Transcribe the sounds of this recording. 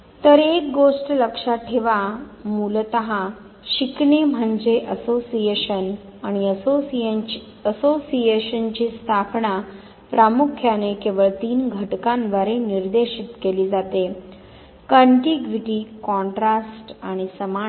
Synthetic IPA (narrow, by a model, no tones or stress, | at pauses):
t̪əɾek̚ɡoʂʈləkʂaʈʰeʋamult̪əɦa | ɕiknem̤əɳd͡ʑeʔəsosijeɕən | aɽ̃iəo | əsosijeɕənt͡ɕiːst̪ʰapɳa | pɾamukʰjanekeʋəɭt̪iːnɡʱəʈkanʋəɾeniɾd̪eɕit̪keliːd͡zat̪e | kəɳʈiɡʋiʈiːkɔ̃ɳʈɾasʈaɽ̃isəma